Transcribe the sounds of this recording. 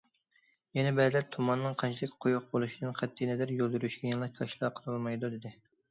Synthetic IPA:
jɛnɛbɛzlæɾt̪ʰumɑnːɨŋqʰɑnt͡ʃʰilɪkʲqʰojuq̚bolˠuʃid̪ɨnqʰæt̪ːinɛd̪æɾjolˠd̪yɾyʃɡʲɛjɑnlˠɑkʲʰɑʃlˠɑqʰəɾˠɨlˠmɑjd̪ud̪ɪd̪ɪ

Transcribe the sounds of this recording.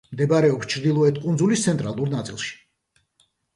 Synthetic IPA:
md̪ɛbaɾɛɔpst͡ʃʰɾd̪ilˠɔɛt̪ʰkʼund̪zulist̪sʰɛnt̪ʼɾalˠuɾnat̪sʼḭlˠʃi̥

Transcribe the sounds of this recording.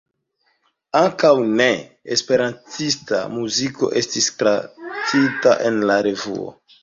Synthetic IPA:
aŋkawne̞ | espe̞ɾantista̰muziko̞̰ʔe̞stistɾat͡sita̰ʔe̞nlaɾe̞vṵo̰

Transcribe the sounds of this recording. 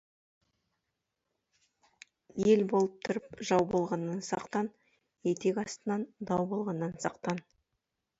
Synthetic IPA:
je̞lbo̞lˠəp̚t̪ʰʊɾəpʒɑwbo̞lˠʁɑnːɑnsɑqt̪ɑn | je̞t̪ekʲɑst̪ənɑnd̪ɑwbo̞lˠʁɑnːɑnsɑqt̪ɑn

